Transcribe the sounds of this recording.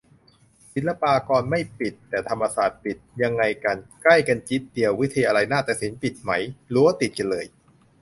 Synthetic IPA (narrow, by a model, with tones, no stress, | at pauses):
si˨˩˦nla˧paː˧kɔː˧nma˥˩jpi˨˩t̪ːɛː˨˩t̪ʰa˧mːa˧saː˨˩t̪̚pi˨˩t̪̚ja˧ŋːa˧jka˧nkla˥˩jka˧nt͡ɕi˦˥t̪̚d̪i˧əwːi˦˥t̪ʰjaː˧a˧ɾa˧jnaː˥˩t̪aː˨˩si˩˦npi˨˩t̪̚ma˦˥jluː˧˦˥wa˥˩t̪i˨˩t̪̚ka˧nlɤː˧j